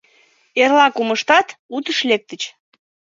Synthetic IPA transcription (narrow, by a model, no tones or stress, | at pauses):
erlɑkuməʃt̪ɑt̪ut̪əʃlek̚t̪ə̆t͡ɕ